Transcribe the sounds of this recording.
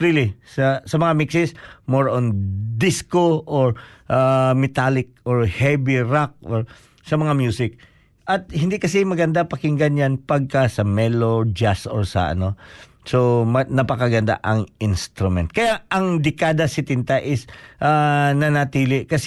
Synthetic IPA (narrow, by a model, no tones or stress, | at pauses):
ɹilisɐsɐmɐŋamiksɪsmoɹʔond̪iskoʔoɹʔamɛt̪alɪk̚oɹhɛbiɹak̚ʔoɹ | sɐmɐŋamjusɪk̚ | ʔɐt̪̚hɪnd̪ikɐsɛmɐɡɐnd̪apɐkɪŋɡɐnjanpɐɡ̚kasɐmɛlod͡ʒasoɹsɐ̰ʔɐ̰no̞ | somɐnɐpɐkɐɡɐnd̪a̰ʔɐŋɪnst̪ɾʊmɛnt̪̚kɐjaʔɐŋd̪ɛkaːd̪ɐsɪt̪ɪnt̪aʔɪsʔanɐnɐt̪iːlɪkɐs